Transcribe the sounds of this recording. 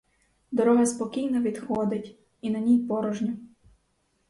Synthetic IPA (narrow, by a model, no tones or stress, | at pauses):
d̪ɔɾɔɦɐspɔkʲijnɔʋʲid̪xɔd̪ɪtʲ | inɐnʲijpɔɾɔʒnʲɔ